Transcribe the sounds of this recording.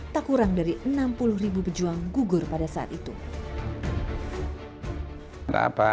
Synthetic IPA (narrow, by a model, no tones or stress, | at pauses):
t̪akuɾaŋdaɾiʔənampulʊhribupəd͡ʒuaŋɡuɡʊrpadasaa̰t̪it̪u | ɾa̰pa